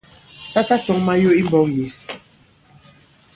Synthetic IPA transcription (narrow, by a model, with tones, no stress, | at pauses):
sa˦ta˦tɔ˦ŋma˦jo˦i˦mbɔ˦kji˨s